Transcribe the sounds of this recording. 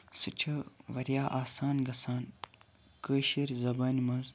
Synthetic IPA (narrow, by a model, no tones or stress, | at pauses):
sɨt͡ʃʰɐʋɐɾjaːʔaːsaːnɡɐsaːn | kəːʃiɾzɐbaːnimɐnz